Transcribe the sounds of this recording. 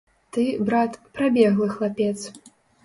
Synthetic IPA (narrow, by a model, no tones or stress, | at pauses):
t̪ɨbɾat̪pɾabʲɛɣlˠɨxlˠapʲɛt̪s